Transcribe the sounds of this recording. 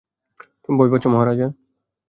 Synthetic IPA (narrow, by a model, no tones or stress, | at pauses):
t̪umbɔbɔt͡ɕʰomɔɦaɾad͡ʑa